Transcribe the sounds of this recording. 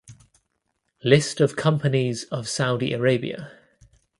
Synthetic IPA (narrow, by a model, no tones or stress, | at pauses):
lɪstəv̥kʰʌ̃mpənizəv̥saʊdḭʔəɹeɪbḭə̰